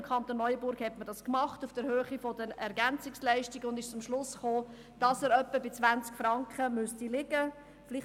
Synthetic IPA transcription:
mkʰχɑnt̪onːɔʏəbʊɾɡhɛtmədɑskmɑχtufd̥əɾɦøːχifɔdənɛɾɡænt͡sɪkslæɪʃtiɡəʊndɪʃt͡sʊmʃlʊsχoː | d̥ɑsɛːɾœpːəbɪt͡svænt͡skfrɑŋkχəmʉstilɪɡə | flɪ

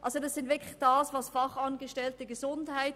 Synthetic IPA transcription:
ʔɑlsodɑsɪntvɪɐkʰlɪçd̥ɑːsvɑsfɑχɑnɡəʃtɛltəɡəzʊndhaɪt

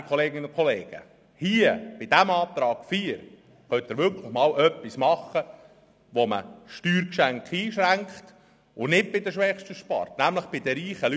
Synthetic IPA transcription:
kʰχɔleːɡɪnʊnkʰɔleːɡ̥ə̰ | hiəb̥ɪd̥æmɑːt̪ɾɑːɡ̥fiːɾ | χœnt̪ɪɾʋʏɾkʰləχmɑːlʔœpːismɑχə | ʋomə̰ʃtyːɾkʃæŋkχiːʃɾæŋkχt | ʊnɪd̚bɪdəʃʋɛχʃtəʃpɑ̰rtnæmləχb̥ɪdəɾiːχəly

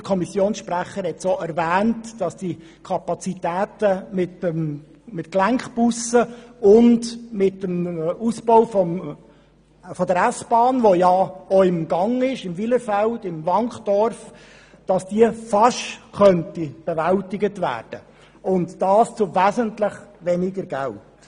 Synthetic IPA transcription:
əkʰɔmisjoːnsʃpræχːəɾhɛtsoːæɾvæːntd̥ɑsd̥i | kʰɑpɑt͡sitæːtəmɪtəm | mɪtklæŋkχpusəʊndmɪtːəmusboʊfɔm | fɔdəɾæsb̥ɑːnʋojɑoɪmɡɑŋɪʃɪmviləɾfældɪmvɑŋχd̥ɔɾf | d̥ɑsd̥iəfɑʃkœntib̥evæltɪɡətvæ̰ːrd̥ə | ʊntd̥ɑːst͡sʊvæzəntləχvɛnɪɡəɾɡælt

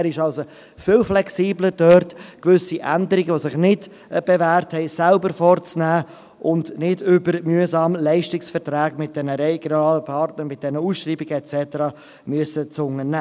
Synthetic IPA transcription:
ɾɪʃɑlso | fɪlflɛksiːbləd̥œɾtkvʏsiʔændəɾɪɡəʋosɪχnɪd | b̥evæːɾthɛɪsælbəɾfɔɾt͡snæː | ʔʊndnɪdʏbəɾmyəsɑːmlɛɪʃtɪksfɛɾtɾæːɡmɪt̚d̥ɛnəɾɛɡjonɑːləpʰɑɾtnəɾmɪt̚d̥ɛnəuːsʃɾiːbɪɡəɛt͡sɛtəɾɑː | myəsət͡sʊŋənæː

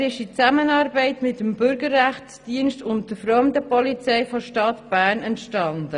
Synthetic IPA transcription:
ɾɪʃit͡sæmənɑːɾbɛɪtmɪtːəmbʏɾɡəɾæχtsd̥iənʃtʊnt̚d̥əfɾɔmdəpɔlit͡sɛɪfoʃtɑtb̥æːɾnɛntʃtɑndə

